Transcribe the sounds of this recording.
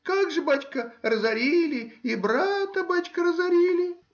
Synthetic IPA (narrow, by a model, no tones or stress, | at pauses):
kaɡʐɨbatʲkərəzɐɾʲilʲɪibɾat̪əbat͡ɕʲkəɾəzɐɾʲilʲɪ